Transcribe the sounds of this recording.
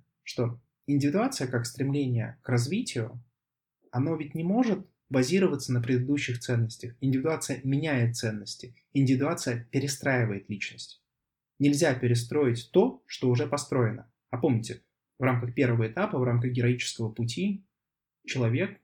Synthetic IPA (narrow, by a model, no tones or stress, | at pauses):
ʂt̪o̞ | ɪnʲdʲɪvʲɪd̪ʊat̪sɨjəkakst̪ɾʲɪmlʲenʲɪjə̰krɐzvʲitʲɪjʊ | ɐno̞vʲɪt̚ʲnʲɪmo̞ʐɨt̪ | bɐzʲiɾəvət̪sənəpɾʲɪd̪ɨd̪uɕːɪxt̪sɛnːəsʲtʲəxɪnʲdʲɪvʲɪd̪ʊat̪sɨjəmʲɪnʲæjɪt̪̚t̪sɛnːəsʲtʲɪ | ɪnʲdʲɪvʲɪd̪ʊat̪sɨjəpʲɪɾʲɪst̪ɾajɪvəjɪt̪lʲit͡ɕnəsʲtʲ | nʲɪlʲzʲapʲɪɾʲɪst̪ɾo̞jɪtʲt̪o̞ʂt̪oʊʐɛpɐst̪ɾo̞jɪnə | ɐpo̞mnʲɪtʲɪ | vɾamkəxpʲe̞rvəvəɪt̪apəvɾamkəxɡʲɪɾɐit͡ɕɪ̥skəvəpʊtʲi | t͡ɕɪlˠɐvʲe̞k